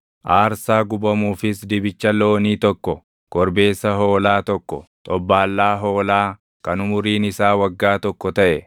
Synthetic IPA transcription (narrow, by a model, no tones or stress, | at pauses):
ʔaːɾsaːɡʊbɐmuːfɪsd̪ɪbɪt͡ʃːɐlo̞ːniːt̪ɔkːɔ | kɔɾbe̞ːsːɐɦo̞ːlaːt̪ɔkːɔ̰t̪ʼɔbːaːlːaːɦoːlaː | kɐnʊmʊɾiːnɪsaːwɐɡːaːt̪ɔkːɔt̪ɐʔɛ